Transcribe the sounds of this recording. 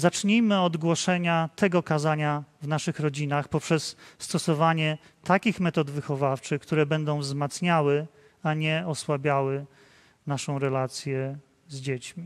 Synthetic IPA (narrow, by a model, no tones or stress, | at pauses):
zat͡ʂɲijmɘɔd̪ɡwɔʂɛɲat̪ʰɛɡɔkazaɲavnaʂɘxɾɔd͡ʑinaxpɔpʂɛsːt̪ɔsɔvaɲɛ | t̪akʲixmɛt̪ɔd̪vɘxɔvaft͡ʂɘxkt̪uɾɛbɛnd̪ɔ̃w̃vzmat̪sɲawɘ | aɲɛɔswabʲjawɘ | naʂɔ̃w̃ɾɛlat̪sʲjɛ | zd͡ʑet͡ɕmʲi